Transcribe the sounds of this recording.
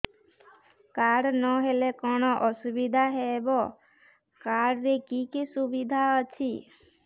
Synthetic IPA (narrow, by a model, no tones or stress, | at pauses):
kaɽnɔɦelekɔñɔʔɔsubid̪ʱaɦebɔ | kaɽɾekikisubid̪ʱaət͡ʃʰi